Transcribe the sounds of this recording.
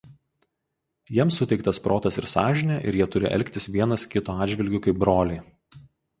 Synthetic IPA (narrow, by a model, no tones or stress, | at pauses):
jiɛmsʊt̪ʲɛɪkt̪ɐspɾoːt̪ɐsɪɾsɑːʒʲɪnʲɛʔɪ̰ɾjiɛt̪ʊɾʲɪ̰ʔɛ̰lʲkʲt̪ʲɪsʋʲiɛnɐskʲɪt̪oːɑːd̪ʲʒʲʋʲɪlʲɡʲʊkɐɪp̚bɾoːlʲɛɪ